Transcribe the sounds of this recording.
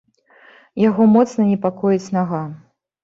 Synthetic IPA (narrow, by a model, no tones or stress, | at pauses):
jaɣɔmɔt̪snɐnʲɛpakɔjit͡sʲnaɣa